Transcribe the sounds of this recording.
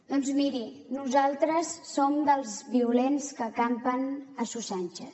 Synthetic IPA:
d̪ɔnzmiɾi | nuzalˠt̪ɾəsːomd̪əlˠzβiulenskəkampənəsusanʲt͡ʃə

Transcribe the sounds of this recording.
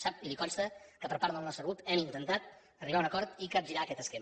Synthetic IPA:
sap̚ilikɔnst̪əkəpəɾpaɾðəlˠnɔsərut̪ɛmint̪ənt̪at̪̚ | əriβaunəkɔɾt̪ikəʒiɾaəkɛt̪əskem

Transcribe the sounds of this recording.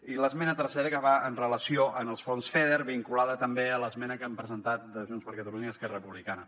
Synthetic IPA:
iləzmɛnət̪əɾsɛɾəkəβaənrələsioʔənəlˠsfonsfeðeɾβiŋkulaðət̪əmbeələzmɛnəkampɾəzənt̪at̪̚d̪əʒunspəɾkət̪əluɲəːskɛrərəpuβlikanə

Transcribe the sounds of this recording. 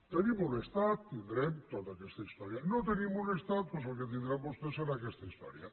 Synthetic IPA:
t̪enimunest̪at̪t̪ːind̪ɾemt̪ot̪akest̪aist̪ɔɾjanot̪enimunest̪at̪̚pos̬oket̪̬ind̪ɾemust̪eseɾakest̪aist̪ɔ̰ɾja̰

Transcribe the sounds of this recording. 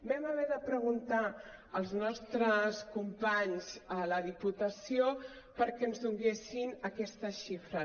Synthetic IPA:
bɛməβɛðəpɾəɣunt̪aəlˠznɔst̪ɾəskumpaɲzələðiput̪əsio | pəɾkɛənzðuŋɡesinəkɛst̪əʃifɾə

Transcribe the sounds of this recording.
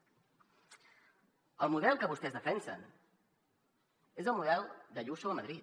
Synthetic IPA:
əlˠmuðɛlˠkəβust̪ɛzðəfɛnsə̰n | ezəlˠmuðɛlˠd̪əʎusoəməðɾit̪

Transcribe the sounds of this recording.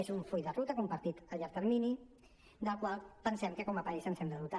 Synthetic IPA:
ezuɱfujðərut̪əkumpəɾt̪it̪əʎaɾt̪əɾmini | d̪əlˠkwalˠpənsɛmkəkɔməpaisənsɛmb̪əðut̪a

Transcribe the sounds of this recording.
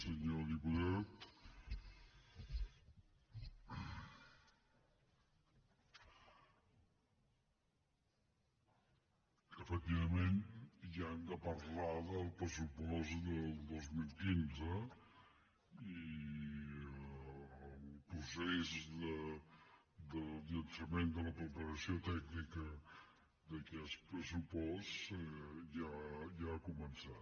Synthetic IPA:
səɲoðiput̪at̪ | əfək̚t̪iβəmenʒand̪əpəɾlaðəlˠpɾəsupɔsd̪əlˠd̪ozmilˠkinzə | i | əlpɾusezdə | d̪əlˠʎənsəmend̪ələpɾəpəɾəsiot̪ɛɡnikə | d̪əkɛspɾəsupɔs | ʒaʒakumənsa

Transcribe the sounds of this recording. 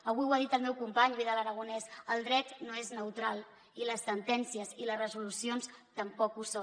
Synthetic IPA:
əβiwaðit̪əlˠmɛwkumpaɲβiðaləɾəɣ̞unɛsəlˠd̪ɾɛt̪noeznəwt̪ɾalˠ | iləsːənt̪ɛnsiəziləzrəzulusionst̪əmpɔkuso

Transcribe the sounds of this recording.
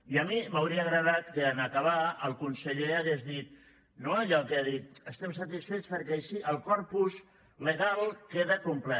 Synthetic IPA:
iəmiməwɾiəːɣɾəðat̪kəːnəkəβ̞aəlˠkunsəʎeəɣezðit̪̚ | noəʎɔkeaðit̪̚əst̪ɛmsət̪isfet̪t͡sspəɾkɛəʃiʔəlˠkɔɾpuz | ləɣalˠkeðəkumplɛ

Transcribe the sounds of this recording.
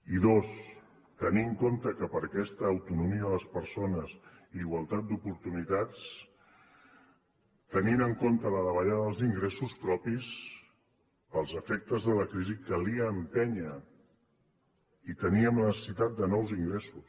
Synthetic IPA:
iðos | t̪əniŋkont̪əkəpəɾkɛst̪əːwt̪unumiəələspəɾsonəz | iːɣwəlˠt̪at̪̚d̪upuɾt̪unit̪at͡s | t̪əninəŋkont̪ələðəβ̞əʎaðəðəlˠziŋɡɾesuspɾɔpis | pəlˠzəfɛk̚t̪əzðələkɾizikəliəːmpɛɲə | it̪əniəmlənəsəsit̪at̪̚d̪ənɔwziŋɡɾesus

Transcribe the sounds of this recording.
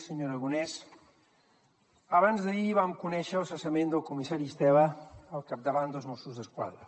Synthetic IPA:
səɲoɾəɣunɛs | əβanzðəiβamkunɛʃəːlˠsəsəmẽnd̪əlˠkumisaɾist̪ɛβəːlˠkap̚d̪əβand̪əlˠzmɔsuzðəskwa̰ðɾə

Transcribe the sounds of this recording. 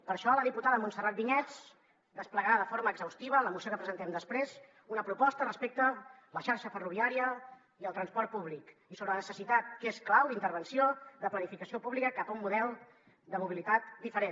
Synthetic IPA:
pəɾʃɔləðiput̪aðəmunsərat̪̚biɲɛt͡s | d̪əspləɣɾaðəfoɾməːɡzəwst̪iβələmusiokəpɾəzənt̪ɛmd̪əspɾez | unəpɾupɔst̪ərəspek̚t̪ə | ləʃaɾʃəfəruβiaɾiə | iəlˠt̪ɾənspɔɾt̪̚puβlikisoβɾəənəsəsit̪at̪kesklawd̪int̪əɾβənsioðəplənifikəsiopuβlikəkapəumːuðɛlˠ | d̪əmuβilit̪at̪d̪ifəɾe

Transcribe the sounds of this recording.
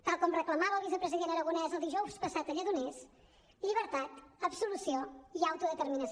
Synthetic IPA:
t̪alˠkɔmrəklˠəmaβəlˠβis̬əpɾəziðent̪əɾəɣunɛzəlˠd̪iʒɔwspəsat̪əʎəðunɛs | ʎiβəɾt̪at̪əβsulusioiawt̪uðət̪əɾminəs

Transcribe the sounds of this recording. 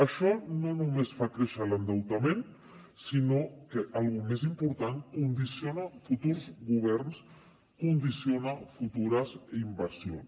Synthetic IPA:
əʃɔnonumesfakɾeʃələnd̪awt̪amen | sinokeʔalˠɣumezimpuɾt̪aŋkund̪isjonafut̪uɾzɣuβ̞ɛɾns | kund̪isjonafut̪uɾəzeimbəɾsions

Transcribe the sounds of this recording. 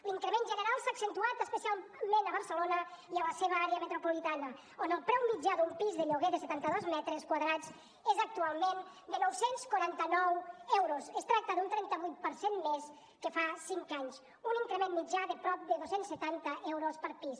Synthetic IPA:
liŋkɾemenʒənəɾalˠsaːksent̪uat̪əspəsialmẽnəβəɾsəlonəiələseβ̞əaɾeəmet̪ɾupulit̪anə | onəlˠpɾɛwmid͡ʒaðumpizðəʎoɣeðəset̪ant̪əðozmɛt̪ɾəskwaðɾad͡z | ezək̚t̪ualˠmen | d̪ənɔwsenskwuɾant̪ənɔwɛwɾozəst̪ɾak̚t̪əðunt̪ɾɛnt̪əβujt̪̚pəɾsenmes | kəfasiŋkaɲs | uniŋkɾemenmid͡ʒaðəpɾɔp̚d̪əðosensːət̪ant̪əʔɛwɾospəɾpis

